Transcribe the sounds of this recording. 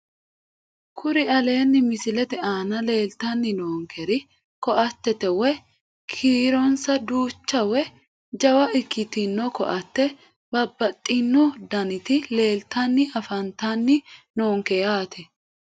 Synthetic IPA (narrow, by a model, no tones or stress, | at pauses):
kʰʊɾɪɐle̞ːnːɪmɪsɪlɛt̪ɛaːnɐle̞ːlt̪ɐnːɪnoːŋkʰɛɾɪ | kɔʔɐt̪ːɛt̪ɛwɛ | kʰiːɾɔnsɐd̪uːt͡ʃːɐwɛ | d͡ʒɐwɐʔɪkːɪt̪ɪnːɔkɔ̰ʔɐt̪ːɛ | bɐbːɐt̪ʼːɪnːɔd̪ɐnɪt̪ɪle̞ːlt̪ɐnːɪɐfɐnt̪ɐnːɪnoːŋkɛjaːt̪ʰɛ